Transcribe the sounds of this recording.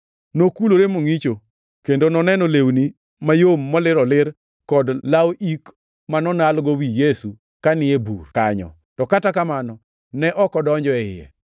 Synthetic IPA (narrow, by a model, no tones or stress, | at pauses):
nokuloɾemoŋit͡ʃo | kendonɔnɛnɔlewni | majomːɔlɪɾɔlɪɾ | kɔdlawʔik | manɔnalɡɔwijesu | kanɪebṵrkaɲɔ̰ | tɔkatakamanɔ | nɛʔɔkɔdɔɲd͡ʒɔɛɪjɛ̰